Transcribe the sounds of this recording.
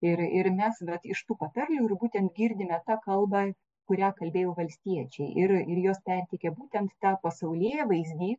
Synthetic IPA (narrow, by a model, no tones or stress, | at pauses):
ɪɾɪɾmʲɛsʋɛt̪ɪʃt̪uːpɐt̪ɐrʲlʲuːɪɾbuːt̪ʲɛnt̪ɡʲiːɾʲd̪ʲɪmʲɛt̪ɑːkɐlˠbɑ | kʊɾʲæːkɐlʲbʲeːjoːʋɐlʲsʲt̪ʲiɛt͡ʃʲɛɪʔɪɾɪɾjoːspʲɛrʲt̪ʲɪkʲɛbuːt̪ʲɛnt̪t̪ɑːpɐsɐʊlʲiːjɛʋɐɪzʲd̪ʲiː